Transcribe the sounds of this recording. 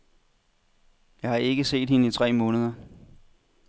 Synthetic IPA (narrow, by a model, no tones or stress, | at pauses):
jɑ̈hɑ̈ʔe̝ɡ̥əse̝̰ːd̥̚he̝nəit͡sʰʁɛ̰ːmɔ̽ːnəð̞ˠɐ